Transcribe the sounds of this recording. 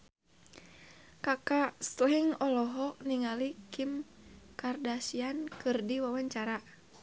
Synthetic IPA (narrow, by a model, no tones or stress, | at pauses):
kakast̪iŋɔlɔɦɔniŋalikim | kardasiankɨrdiwawaɲt͡ʃaɾa